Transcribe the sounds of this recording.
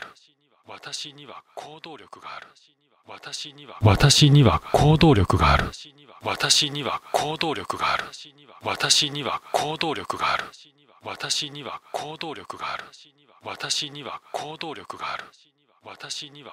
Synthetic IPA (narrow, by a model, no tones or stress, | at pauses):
ɯ | βat̪aɕiɲiβakʰoːd̪o̞ːɾʲo̞kɯ̟ɡaːɾɯ | βat̪aɕiiβat̪aɕiɲ̟iβa̰kʰo̞ːd̪o̞ːɾʲo̞kɯ̟ɡaːɾɯ̟̰ | βat̪aɕiɲ̟iβa̰kʰo̞ːd̪o̞ːɾʲo̞kɯ̟ɡaːɾɯ̟ | βat̪aɕiɲ̟iβa̰kʰo̞ːd̪o̞ːɾʲo̞kɯ̟ɡaːɾɯ̟ | at̪aɕiɲ̟iβakʰo̞ːd̪o̞ːɾʲo̞kɯ̟ɡaːɾɯ̟ | βat̪aɕiɲ̟iβakʰo̞ːd̪o̞ːɾʲo̞kɯ̟ɡaːɾɯ̟̥ | at̪aɕiɲia